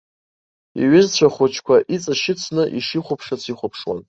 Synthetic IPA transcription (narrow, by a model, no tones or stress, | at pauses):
ḭɥɪzt͡ɕʷʰaχʷʊt͡ʃʰkʷaʔit͡sʼaʃɪt͡sʰnɨʔiʂiχʷʊpʰʂat͡sʰiχʷʊpʰʂwa̰n